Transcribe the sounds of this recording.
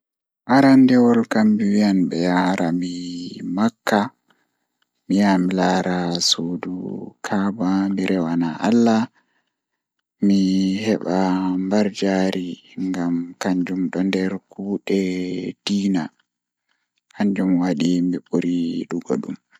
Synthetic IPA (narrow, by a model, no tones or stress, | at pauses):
ʔaɾandɛwɔlkambiwianbɛjaɾamimakːa | mijamilaɾasodṵkʰabamiɾɛwanaʔalːa | mihɛɓambaɾd͡ʒaɾiŋɡamkaɲd͡ʒumɗɔndɛɾkuːɗɛd̥iːna | kaɲd͡ʒumwaɗimiɓoɾiɗuɡɔ̰ɗum